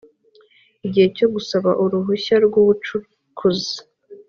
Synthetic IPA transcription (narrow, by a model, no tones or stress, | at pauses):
iɟihe̞co̞ɡusaβaʔuɾuɦuɕaɾɡuβut͡ʃu | kʰuzi